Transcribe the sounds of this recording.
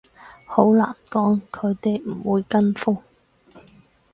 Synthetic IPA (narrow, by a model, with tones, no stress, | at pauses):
ho˨˥wla̰ː˨˩nkɔː˨˥ŋkʰɵ˨˧ɥt̪e˨jm̩˨˩wuː˨˧jkɐ˥nfʊ˥ŋ